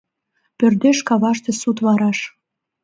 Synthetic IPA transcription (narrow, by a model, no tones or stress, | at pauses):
pørd̪eʃkɑβɑʃt̪esut̪βɑɾɑʃ